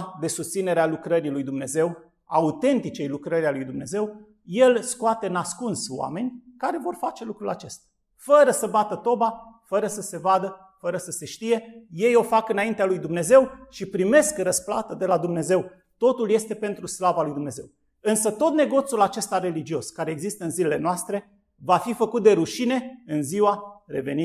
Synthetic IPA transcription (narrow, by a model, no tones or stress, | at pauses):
d̪e̞sust̪sine̞ɾealukɾəɾilujd̪umne̞ze̞w | aut̪e̞nt̪it͡ʃe̞jlukɾəɾʲalujd̪umne̞ze̞w | je̞lskoat̪e̞ɨnaskunsoa̰me̞nʲkaɾe̞vo̞rfat͡ʃe̞lukɾula̰t͡ʃe̞st̪ḁ | fəɾəsəbat̪ət̪o̞bafəɾəsəse̞vad̪ə | fəɾəsəse̞ʃt̪ije̞je̞jo̞fakɨnaint̪ealujd̪umne̞ze̞wʃipɾime̞skrəspla̰t̪əd̪e̞lad̪umne̞ze̞w | t̪o̞t̪ulje̞st̪e̞pe̞nt̪ɾuslavalujd̪umne̞zew | ɨnsət̪o̞t̪̚ne̞ɡo̞t̪sulat͡ʃe̞st̪aɾe̞lid͡ʒio̞skaɾe̞ːɡzist̪əɨnzilele̞noast̪ɾe̞ | vafifəkut̪̚d̪e̞ɾuʃine̞ɨnziwaɾe̞ve̞ni